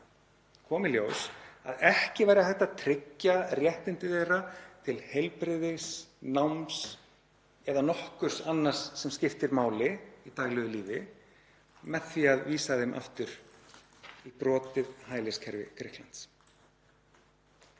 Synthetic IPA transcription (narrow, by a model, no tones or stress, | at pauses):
kʰɔːmɪljoːwsaðɛhcɪvaːjɾɪaθɛht̪ːat̪ʰɾɪcːarjɛht̪ɪnt̪ɪðejɾat̪ʰɪlhejlpɾɪðɪsnawms | ɛðanɔhkʏɾ̥sanːar̥sːɛmscɪft̪ɪɾmaːwlɪit̪aːɣlɛɣʏliːvɪ | mɛðθiaðviːsaðɪmʔa̰ft̪ʏɾ | ipɾɔːt̪ɪðhaːjlescʰɛɾvɪ̰kʰɾɪhklant̪s